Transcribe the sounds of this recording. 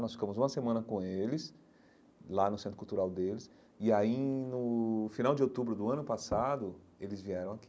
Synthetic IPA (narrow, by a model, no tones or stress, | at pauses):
nɔsfikɐ̃mʊzũmɐsemɐ̃nɐkõelɪs | lanʊsẽt̪ɾʊkuwt̪uɾawd̪elɪs | ɪainʊfinawd͡ʒɪowt̪ubɾʊd̪ʊɐ̃nʊpasad̪ʊ | elɪzviɛɾɐ̃w̃aki